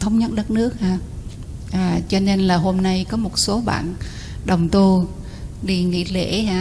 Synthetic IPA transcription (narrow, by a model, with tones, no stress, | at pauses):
t̪ʰə˧wŋ͡mɲə˦˥t̚ɗə˦˥t̚nɨ˦˥ək̚haː˧˩ | ʔaː˨˩t͡ɕɔ˧ne˧nlaː˨˩ɦo˧mna˧jkɔ˨˦mo˨˩t̚so˨˦ɓa̰ː˧˨n | ɗə˨˩wŋ͡mt̪u˧ | ɗi˧˩ŋḭ˧˨lḛ˧˩˦haː˧˩